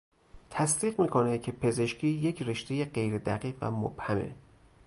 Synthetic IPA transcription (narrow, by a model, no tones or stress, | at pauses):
t̪ʰæsd̪iːɢmiːkʰo̞necʰe̞pʰe̞ze̞ʃkcʰiːje̞cʰreʃt̪ʰe̞jeɢe̞jɾed̪æ̰ɢiːɢvæ̰mo̰b̥hæmḛ